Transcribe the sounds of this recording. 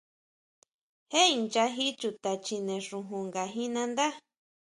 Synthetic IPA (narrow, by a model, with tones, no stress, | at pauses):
he˦i˧nt͡ʃa˧ɦi˦t͡ʃu˧t̪a˨t͡ʃi˧nẽ˨ʂũ˧ɦũ˧ŋɡa˨ɦĩ˦nã˧nd̪a˦